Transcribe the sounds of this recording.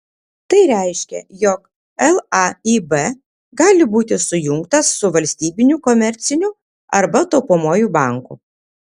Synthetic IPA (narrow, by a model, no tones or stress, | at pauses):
t̪ɐɪɾʲæˑɪʃʲkʲɛ̰jɔk | ɛlˠɐiːbɛ | ɡɑːlʲɪbuːt̪ʲɪsʊjʊŋkt̪ɐsːʊʋɐlʲsʲt̪ʲiːbʲɪnʲukɔmʲɛɾʲt̪sʲɪnʲʊ | ɐɾbɐt̪oʊpoːmoːjuːbɑˑŋkṵ